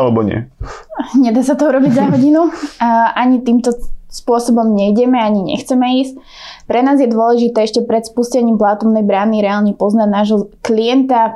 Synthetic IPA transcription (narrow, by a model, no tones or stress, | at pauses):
alɛbɔɲɪɛ̰ | ɲɛd̪aːsat̪ɔuɾɔbiɟzaɦɔɟinuʔaɲit̪iːmt̪ɔspʊɔsɔbɔmɲɛjɟɛmɛaɲiɲɛ̰xt͡sɛmɛiːsc̚ | pɾɛnaːzjɛd̪ʊɔlɛʒit̪ɛːɛʃcɛpɾɛt̪spuscɛɲiːmplaːt̪ɔmnɛjbɾaːniɾɛaːlɲɛpɔznaɟnaːʒɦɔkliɛnt̪a